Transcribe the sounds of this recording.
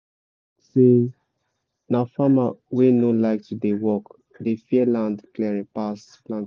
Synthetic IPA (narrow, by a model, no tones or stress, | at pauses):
se | nafamawenõlaɪk̚tudewɔk | defiɛlãndklɛɹĩpas | plãnt